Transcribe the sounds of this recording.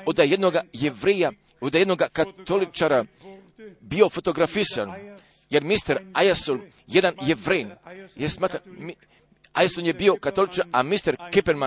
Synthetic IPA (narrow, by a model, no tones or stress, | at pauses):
od̪ajed̪noɡajevɾeja | od̪ajenoɡakat̪olit͡ʃaɾa | bio̞fot̪o̞ɡɾafisan | jeɾmist̪eɾajasol | jed̪anjevɾeːjnjesmaːt̪ɾami | a̰jasonjebio̞kat̪olit͡ʃaɾamist̪eɾkipeɾma